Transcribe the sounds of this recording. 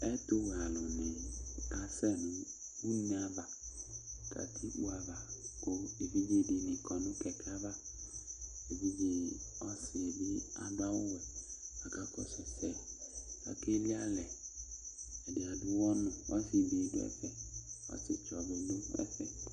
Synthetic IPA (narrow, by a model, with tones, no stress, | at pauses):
ɛ˦tʊ˦wa˨lʊ˨nɪ˨ka˨sɛ˦nʊ̃˨u˦nĩ˦a˦va˨ | ka̰˨tʰi˦k͡pu˦a˨va˨ko˦e˨vi˦be˦˨dɪ˨nɪ̃˨kɔ˨nʊ̃˦kɛ˨ka˦va˦ | e˨vi˦be˨ɔ˦sɪ˨e˨bɪ˦a̰˨dʊ˦a˦wʊ˦wɛ˨a˨ka˦kɔ˨sʊ˨sɛ˦˨ka̰˨ke˦li˦a˦lɛ˨ | ɛ˨dɪ˨a˨dʊ˦wɔ˦nʊ̃˨ɔ˦sɪ˨bdʊ˦ɛ̰˦fɛ˨ɔ̰˦sɪ̰˦t͡ʃɔ˨bʊ˨dʊ˦ɛ̰˦fɛ̰˨